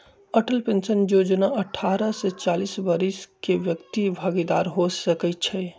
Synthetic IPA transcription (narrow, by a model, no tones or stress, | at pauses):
əʈəlpensənjod͡ʒnaəʈʰaɾəset͡ʃalisbəɾiskeʋjəkt̪ibʱəɡid̪aːɾɦosəkət̪̚t͡ʃʰɛ